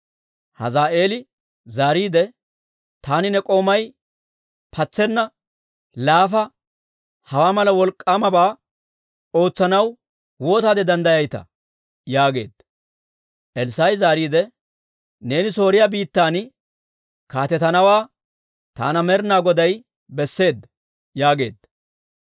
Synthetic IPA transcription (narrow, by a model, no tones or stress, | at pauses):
hɐ̰zaːʔe̞ːlɪ | zaːɾiːd̪ɛ | t̪aːnɪnɛkʼo̞ːmɐj | pʰɐt͡sːɛnːɐ | laːfɐ | hɐwaːmɐlɐwɔlkʼːaːmɐbaː | o̞ːt͡sːɐnɐw | wo̞ːt̪aːd̪ɛd̪ɐnd̪ɐjɐjt̪ɐ̰ | jaːɡe̞̰ːd̪ | ʔɛlsajzaːɾiːd̪ɛ | ne̞ːnɪso̞ːɾɪjabiːt̪ːaːn | kaːt̪ɛt̪ɐnɐwaː | t̪a̰ːnɐmɛɾnaːɡɔd̪ɐj | bɛsːe̞ːd̪ːɐ | jaːɡe̞̰ːd̪